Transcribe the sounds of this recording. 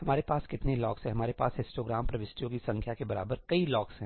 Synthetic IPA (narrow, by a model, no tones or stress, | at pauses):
hɐmaːɾepaːskɪt̪nelɔːksɦɛ̃ɦɐmaːɾepa̰ːsɪ̃sʈoːɡɾaːmpɾɐʋɪsʈijõkisɐ̃ŋkʰjakebɐɾa̰ːbəɾkɐilɔːksɦɛ̃